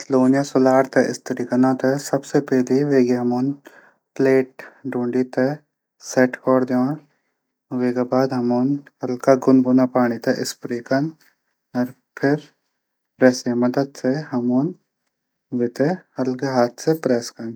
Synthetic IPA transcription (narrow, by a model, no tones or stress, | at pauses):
sloːnjasʊlaːɾt̪ɛʔɪ̰st̪ɐɾikɐnãːt̪ʰesɐbsepɛɦliʋeːɡeɦɐmoːn | pleːʈ̚ɖũːɳɖit̪e | sɛʈkɔːɾd̪jãː | ʋeːɡabaːd̪ɦɐmoːnɦɐlkaɡʊnbʊnapaːɽ̃it̪ɛʔɪspɾikɐn | ɐɾ | pʰɪɾ | pɾɛːsemɐd̪əd̪seɦɐmoːn | ʋet̪ehɐlkeɦaːt̪ʰsepɾɛːskɐn